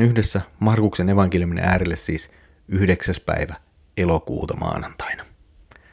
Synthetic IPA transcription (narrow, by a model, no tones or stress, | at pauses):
nyhde̞sːæmɑrkukse̞ne̞ʋɑŋkeljumin̰ʔæːɾelːesːiːs | yhde̞ksæspæ̰iʋæ | e̞lo̞kṵːt̪ɑmɑ̰ːnɑnt̪ɑjnɑ